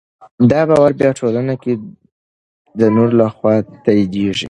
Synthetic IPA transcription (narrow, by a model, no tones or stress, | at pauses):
d̪ɑbɑwaɾbjɑʈʰolanake | d̪ənoɾlaxwɑt̪ajd̪eʒḭ